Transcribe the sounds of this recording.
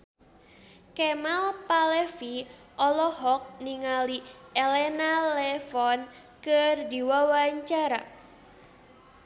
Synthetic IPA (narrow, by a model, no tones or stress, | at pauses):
kɛmalpalɛfi | ʔɔlɔɦɔk̚niŋaliʔelɛnalɛfɔn | kərd̪i̤wawaɲt͡ʃaɾa̰